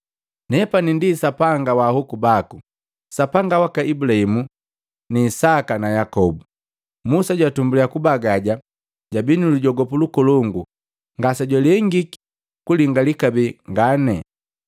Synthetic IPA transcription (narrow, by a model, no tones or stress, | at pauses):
nɛpanindisapaŋɡawahukubaku | sapaŋɡawakaibulahimu | niːsakanajakɔbu | musaɟwatumbuliakubaɡaɟa | ɟabinuluɟɔɡɔpulukɔlɔŋɡu | ŋɡasaɟwalɛŋɡiki̥ | kuliŋɡalikabɛŋɡanɛ